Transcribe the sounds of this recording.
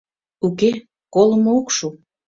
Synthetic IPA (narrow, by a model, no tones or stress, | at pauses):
uke | kolˠə̆mookʃu